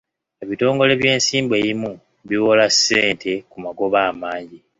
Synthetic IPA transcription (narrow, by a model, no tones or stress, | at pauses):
e̞βito̞ːŋɡo̞le̞βje̞ːnsiːmbwe̞ːjimu | βiβo̞lasːe̞ːntʰe̞kumaɡo̞βaːmaːɲɟi